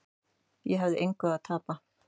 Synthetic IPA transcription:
jɛɦavðɪʔeŋkʏat̪ʰaːpa

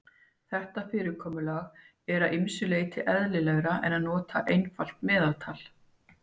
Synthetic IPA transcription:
θɛht̪afɪːɾɪkʰɔːmʏlaɣ | ɛɾaðɪmsʏleːjt̪ʰɪʔɛðlɪlɛɣɾaʔɛ̰naðnɔːt̪ʰa̰ʔejnfal̥t̪mɛːðalt̪ʰaːl̥

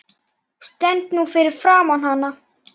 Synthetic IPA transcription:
st̪ɛnt̪nuːfɪːɾɪɾfɾaːmanhanːa

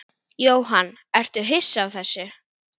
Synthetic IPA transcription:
joːwɦanː | ɛr̥t̪ʏɦɪsːavθɛsːʏ

